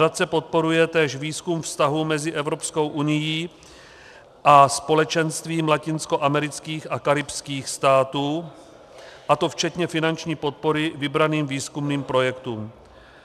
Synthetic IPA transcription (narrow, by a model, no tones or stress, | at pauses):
att͡sɛpo̞t̪̚po̞ɾujɛt̪ɛːʃviːskumfst̪aɦumɛzɪʔɛvɾo̞psko̞wʔunɪjiː | ʔaspo̞lɛt͡ʃɛnst̪viːmlacɪnsko̞ʔamɛɾɪt͡skiːxakaɾɪpskiːxst̪aːt̪uː | ʔat̪o̞ft͡ʃɛt̪ɲɛfɪnant͡ʃɲiːpo̞t̪̚po̞ɾɪvɪbɾaniːmviːskumniːmpɾo̞jɛkt̪uːm